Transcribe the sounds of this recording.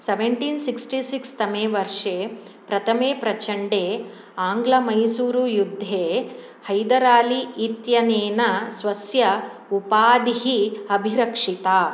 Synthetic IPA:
seʋeɳʈiːnsiksʈisikst̪ɐmeːʋɐɾʂeː | pɾɐt̪ʰɐmeːpɾɐt͡ʃʰɐɳɖeː | aːŋɡlɐmɐjsuːɾujud̪ʱːeː | hɐjd̪ɐɾaːliːt̪jɐneːnɐsʋɐsjɐ | upaːd̪iɦiɐbʱiɾɐkʂit̪aː

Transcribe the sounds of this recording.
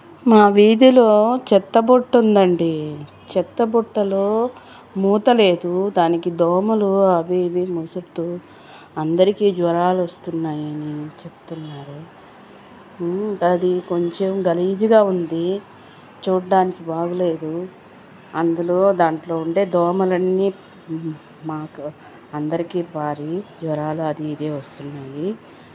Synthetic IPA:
maːʋiːd̪ilo̞ːt͡ʃɛt̪ːɐbuʈːund̪ɐɳɖi | t͡ʃɛt̪ːɐbuʈːɐloː | muːt̪ɐle̞ːd̪ud̪aːnikid̪ɔːmɐluaːbiːb̪imusut̪u | ɐnd̪ɐɾikiːd͡ʒʋɐɾaːluɐst̪unːaːjɐnit͡ʃept̪unːaːɾu | ɐd̪iko̞ɲt͡ʃemɡɐliːd͡ʒiɡaːund̪i | t͡ʃuːɽːaːnikibaːɡule̞ːd̪u | ɐnd̪ulo̞ːd̪aːɳʈlo̞ːuɳʈe̞ːd̪ɔːmɐlɐnːiː | maːku | ɐnd̪ɐɾikiːpaːɾid͡ʒʋɐɾaːluɐd̪iːd̪e̞ːʋɐst̪unːaːji

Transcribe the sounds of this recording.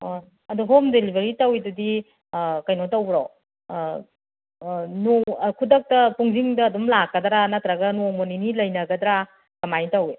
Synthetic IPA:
ɐduɦomdelibʱeɾitɐwidudi | kɐjnotɐwbɾo | nokʰudɐk̚tɐpuŋziŋdɐːdumlakːɐdɾanɐt̪ɾɐɡɐnomoninilɐjnɐɡɐd̪ɾa | kɐmajitɐwe

